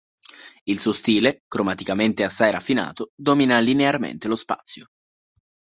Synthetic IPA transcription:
ilsuost̪iːlekɾomat̪ikament̪easːajɾafːina̰ːt̪od̪ominalinearmḛnt̪elospa̰t̪sːjo

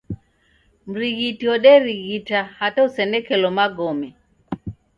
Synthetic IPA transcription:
m̩ɾiɣitiɔɗɛɾiɣitahatausɛnɛkɛlɔmaɡɔmɛ

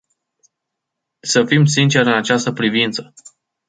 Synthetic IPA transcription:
səfimsint͡ʃe̞ɾɨnat͡ʃast̪əpɾivint̪sə

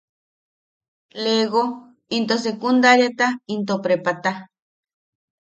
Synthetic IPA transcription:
leɣo | int̪os̬ekund̪aɾjet̪aint̪opɾepat̪a

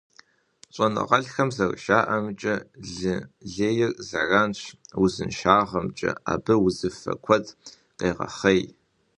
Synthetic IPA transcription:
ɕʼɔnɨ̰ʁɐɮxɐmzɐrʃaːʔɐmt͡ʃʼɐɮɨɮeːjɪrzaraːnɕwʊzɨ̰nʃaːʁɐmt͡ʃʼɐ̰a̰ːbɨwʊzɨfɐ̰kʷʰɔd | qejʁɐ̰χɐj

